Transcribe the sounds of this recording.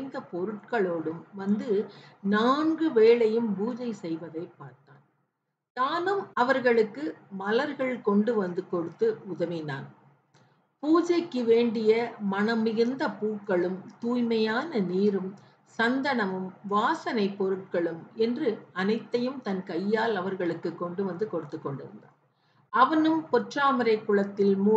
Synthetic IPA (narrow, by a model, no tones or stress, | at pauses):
nd̪ɐpɔɾɯʈ̚kɐɭoːɽɯmʋɐnd̪ɯnaːnɡɯʋeːɭɐjɯmʋuːd͡ʒɐɪsɛjʋɐðɐɪpːaːɾt̪a̰ːn | t̪aːnɯmɐʋɐɾɣɐɭɯkːɯmɐlɐɾɣɐɭkɔɳɖɯʋɐnd̪ɯkɔɽɯt̪ːɯʊðɐʋɪna̰ːn | puːd͡ʒɐɪkːɯʋeːɳɖɪjɐmɐnɐmɪɣɯnd̪ɐpuːkːɐɭɯmt̪uːjmɐjaːnɐniːɾɯm | sɐnd̪ɐɳɐmɯmʋaːsɐnɐɪpːɔɾɯʈ̚kɐɭɯmɛndrɯɐnɐɪt̪ːɐjɯmt̪ɐnkɐjːaːlɐʋɐɾɣɐɭɯkːɯkːɔɳɖɯʋɐnd̪ɯkɔɽɯt̪ːɯkːɔɳɖɯ̰ɾɯ̰nd̪a̰ːn | ɐʋɐnɯmpɔʈraːmɪɾɐɪkːɯɭɐt̪ːɪlmu